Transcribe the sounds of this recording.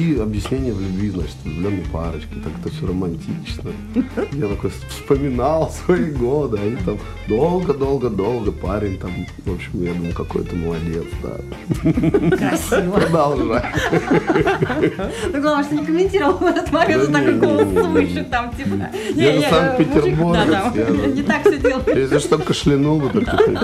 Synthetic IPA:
iɐbjɪsʲnʲenʲɪjəvlʲʉbʲvʲizna̰t͡ɕɪ̥t̪ʲlʲonːəpaɾət͡ɕkʲɪt̪akɛ̥t̪əfsʲorəmɐnʲtʲit͡ɕnə | jat̪ɐko̞jfspəmʲɪnalˠsvɐiɡod̪ɨɐit̪am | d̪o̞lˠɡəd̪o̞lˠɡəd̪o̞lˠɡəpaɾʲɪnʲt̪am | vopɕɪmjad̪uməjkɐko̞̰jt̪əməlˠɐdʲḛt̪sd̪a̰ | pɾəd̪ɐlˠʐaj | d̪oɡˠɐʂt̪onʲɪkəmʲɪnʲtʲiɾəvəlˠvɛt̪ət̪mˠɐeaenʲolˠəmɨʃʲɪkt̪amtʲi | janɨsank̚pʲɪtʲɪrburɡjanʲɪt̪akfssʲodʲelˠəjes̬ʲɪʂt̪olʲkəʂlʲɪnulˠd̪ət̪akt̪ɐkoj

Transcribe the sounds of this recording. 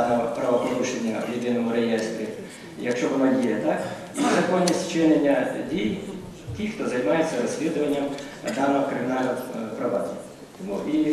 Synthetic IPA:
nɔpɾɐʋɔpɔɾuʃenʲːɐjɪd̪ɪnɔmʊɾejɛst̪ɾʲi | jɐkʃt͡ʃɔʋɔnadʲijɐt̪ɑk | nɐzɐkɔnʲːisʲtʲt͡ʃɪnenʲːɐdʲij | tʲixt̪ɔzɐjmɑjet͡sʲːɐɾɔsʲlʲid̪ʊʋɐnʲːɐm | d̪ɑnɔkɾɪmʲɪnɑlʲnɔwpɾɐʋɑd̪ʲi | t̪ɔmui

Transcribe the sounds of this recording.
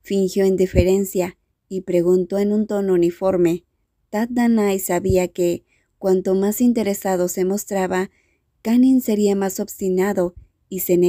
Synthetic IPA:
fiŋxjo̞end̪ife̞ɾe̞nsja | ipɾe̞ɣunt̪o̞enũnt̪o̞nounifo̞ɾme̞ | t̪at̪̚d̪anajsaβiake̞ | kwant̪o̞masint̪e̞ɾe̞saðo̞se̞mo̞st̪ɾaβa | kaninse̞ɾiamaso̞βst̪inaðo̞ | ise̞ne

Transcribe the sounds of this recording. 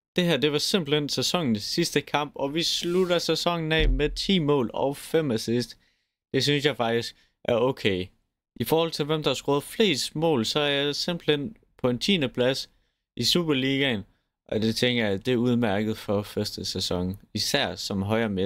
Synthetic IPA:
d̥e̝ɦæɐ̰d̥e̝ʋɑ̈se̝m̰b̥l̩hensesɒ̽ŋn̩sisd̥əkʰɑ̈m̰b̥ɒ̽ʋisluɾ̥ɐsesɒ̽ŋ̰n̩ɛ̰meðˠt͡sʰḭːmɔ̰̽ːlɒʊfem̰æsisd̥ | d̥e̝synsjɑ̈ɪfɑ̈ɡ̥d̥isɡ̥ | ʔæɐɔkʰeɪ | ʔifɒːhɒ̽l̰t͡sʰe̝lʋemd̥ɑhɑ̈sɡ̥ʁoːð̩ˠfle̝̰ːsd̥mɔ̰̽ːlsɒ̽æɐjɑ̈ɪse̝mb̥l̩hen̰ | pʰɒ̽e̝nt͡sʰḭːnəpʰlæs | isṵːb̥ɐliːɡ̥æn | ʔɒ̽d̥et͡sʰeŋɡ̥ɐjɑd̥e̝æuð̞ˠmæɐɡ̥ð̞̩ˠfɒfɶɐsd̥əsesɒ̽ŋisæɐ̰sɒ̽mɦɒ̽ɪɐme

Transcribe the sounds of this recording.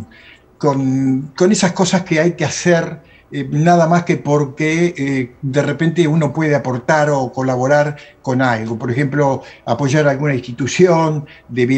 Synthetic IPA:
konko̞ne̞sasko̞saskeajkeaseɾ | naðamaskepo̞ɾke | d̪erepe̞nt̪euno̞pwe̞ð̞eapo̞ɾt̪aɾo̞ko̞laβ̞o̞ɾaɾko̞nalɣo̞po̞ɾexe̞mplo̞apo̞ʒaɾalɣunaĩst̪it̪usjo̞n | d̪eβ

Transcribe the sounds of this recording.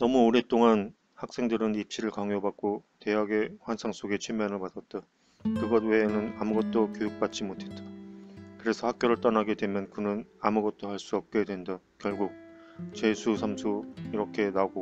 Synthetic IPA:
nʌmuoɾe̞t͈oŋan | hak̚s͈e̞ŋdɯɾɯnip̚ɕ͈iɾɯɭkaŋobak̚k͈ote̞ɦaɡe̞ɸwansʰaŋs͈oɡe̞t͡ɕʰwemjʌnɯɭpadat̚t͈a | kɯɡʌd̚we̞nɯnamuɡʌt̚t͈okjojuk̚p͈at̚t͡ɕ͈imotʰe̞t̚t͈akɯɾe̞sʰʌhak̚k͈joɾɯɭt͈ʌnaɡe̞dwe̞mjʌnkɯnɯnamuɡʌt̚t͈ohaɭs͈uʌp̚k͈e̞dwe̞nda | kjʌɭɡuk̚t͡ɕe̞sʰusʰamsʰuiɾʌkʰe̞naɡo

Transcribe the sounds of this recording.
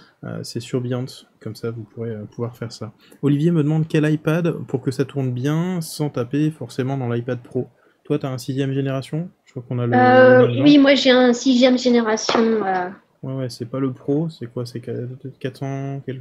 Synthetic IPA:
ø̰sɛsyʁbjɑ̃t̪kɔmsavupʰuʁeøpuvwaʁfɛʁsa | ɔlivjeməd̪əmɑ̃d̪kʲɛlajpad̪puʁkəsat̪ʰuʁnbjɛ̃sɑ̃t̪apefɔʁsemɑ̃d̪ɑ̃lajpad̪̚pχo | t̪wat̪yaɛ̃nsizjɛmʒeneʁasjɔ̃ʒ̥əkwakɔ̃naløwimwaʒeɛ̃sizjɛmʒeneʁasjɔ̃ø | wɛwɛsɛpaləpχosɛkwas̬ɛkaɛkat̪χɑ̃kɛl

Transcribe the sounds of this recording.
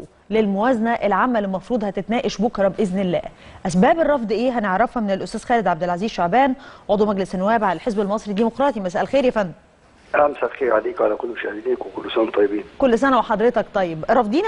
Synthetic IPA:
lelmowæːzænæʔelʕamːælːimɑfɾuːd̪ˤhæt̪et̪næːʔeʃbokɾˤɑbʔeznelːæ̰ːʔæsbæːberˤːɑfd̪ˤʔeːɦæneʕɾˤɑfhæmenelʔʊst̪æːzxæːled̪ʕabd̪ɪlʕaziːzʃaʕbæːnʕod̪ˤwmæɡlesnːʊwæːbʕalælħezbelmɑsˤɾid̪ːiːmoqɾˤɑːt̪imæsæʔælxeːɾjæfænː | ʔamsælxeːɾʕaliːkʕalækolːmɪʃahd̪iniːkwekolːsænt̪ˤɑjːɪbiːnkolːs̬ænæweħɑd̪ˤɾet̪ɑkt̪ˤɑjːebɾˤɑfd̪ˤiːn

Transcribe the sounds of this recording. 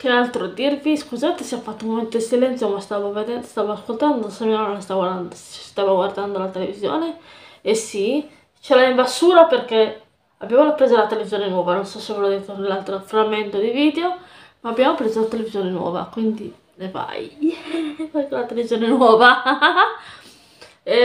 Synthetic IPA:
kenalt̪ɾod̪irviskuzat̪esiafat̪ːoumoment̪od̪isilɛnjomast̪aːvoved̪ɛst̪avoaskolt̪and̪osamiaonest̪aɡnst̪avaɡward̪and̪olat̪elevizjɔ̰ːneesi | t͡ʃelaimbasuːɾaperke | abːjamorapːɾɛzolat̪elevizjɔːnenwɔːvanonsɔsevɛlod̪ɛt̪olalt̪ɾofɾamːɛnt̪od̪iviːd̪eo | maːbjamopɾɛzolat̪elevizjɔːnenwɔ̰ːva̰kwind̪i | neva̰j | pakelat̪elevizjɔːnenwɔːva

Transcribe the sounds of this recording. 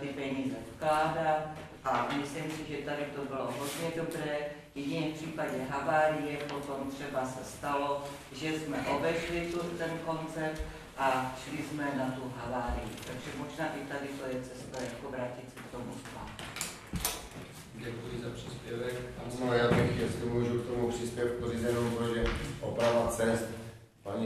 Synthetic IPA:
t̪ɪpɛɲiːzɛfklaːɦɾa | ʔamɪslimsiʒɛt̪adɪt̪obɪloɦod̪ɲɛdobɾɛː | jɛɟinɛːfpr̥iːpaɟɛɦavaːɾijɛpot̪omt̪r̝̥ɛbasɛst̪alo | ʒɛzmɛʔobɛʃlit̪ut̪ɛnkont͡sɛpt̪ | ʔaʃlizmɛnat̪uvɦavaːɾijḭt̪aɡʒɛmoʒnaːʔit̪adɪt̪ojɛt͡sɛst̪ajakovɾaːcit̪sɛkt̪omusla̰ːt̪u | ɟɛkujɪzapr̥iːspjɛvɛkanojaːt̪akijɛskɛmuːʒukt̪omupr̥ispjɛf̚porizɛjɛnompoʒɛʔopɾavat͡sɛst̪ | paɲi

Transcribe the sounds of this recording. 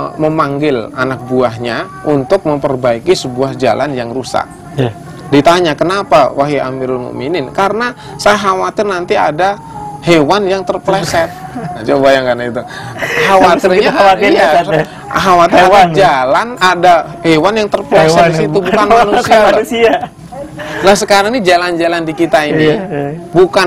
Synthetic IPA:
məmaŋɡɪlanak̚buaɦɲa | ʔunt̪ʊk̚məmpərbaikisəbuahd͡ʒa̰lʔa̰njaŋrusa̰k̚ | dit̪aɲakənapawaɦia̰miɾlmo̰ʔminɪnkaɾəna | sajaɦawat̪ɪrnant̪iada | hewanjaŋt̪ərplesɛt̪̚at͡ʃobajaŋkanait̪u | hawatt̪irɲajas | ɦawat̪ɪadad͡ʒalanada | hewanjaŋt̪ərplɛsɛtsit̪ubukanmnusiaauia | lahsəkaɾaŋnid͡ʒaland͡ʒalandikit̪ainibukan

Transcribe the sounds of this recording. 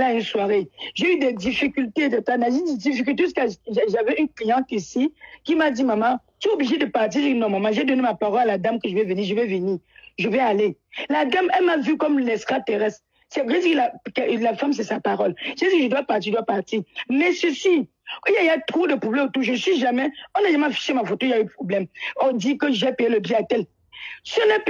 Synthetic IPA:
laynswaʁeʒeyd̪ɛd̪ifikʲylt̪ed̪ɛt̪anaʒid̪ɛd̪ifik̬ylt̪̬es̬kaʒavɛynklijɑ̃t̪isikʲimad̪imamã | t̪ɥɛobliʒed̪əpaʁt̪iʁʒinɔ̃mãmãʒɛd̪ɔnemapaʁɔlalad̪amkəʒəvɛvəniːʁʒəvɛvəniːʁʒəvɛalelad̪amɛlmavykɔmlɛsʁat̪eʁɛs | sɛʒediklakɛlafams̬ɛsapaʁɔlʒɛdikəʒədwapaʁt̪iʒəd̪wapaʁtimɛsəsi | ijaiat̪ʁodəpʁoblɛ̃motuʒəsɥiʒamɛɔ̃naʒamɛafi̥ʃemafotoijaypʁoblɛmɔdikəʒɛpejeləbiatɛl | sənɛ

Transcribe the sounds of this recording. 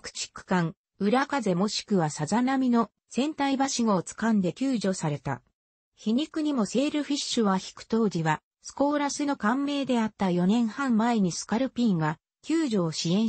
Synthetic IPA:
kɯ̟̥t͡ɕi̥kɯ̟̥kãŋ | ɯ̟ɾakaze̞mo̞ɕi̥kɯ̟βasazanamʲino̞ | z̥ẽ̞nt̪aibaɕiŋoːt͡sɨ̥kãnd̪e̞kʲɨːʑo̞saɾe̞t̪a̰ | çiɲ̟ikɯ̟ɲ̟imo̞se̞ːɾɯ̟ɸʲiɕɨβaçi̥kɯ̟̥t̪o̞ːd͡ʑiβa | sɨ̥ko̞ːɾasɨno̞kãmːe̞ːd̪e̞at̪ːajo̞nẽ̞ɰ̃hãmmae̞ɲ̟isɨ̥kaɾɯ̟pʲĩŋɡa | kʲɨːʑo̞ːɕiẽ̞ɰ̃

